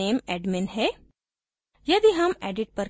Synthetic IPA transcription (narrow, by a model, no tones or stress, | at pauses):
eːmɛːɖmɪ̃nɦɛː | jɐd̪iɦɐmɛːɖɪʈ̚pɐɾ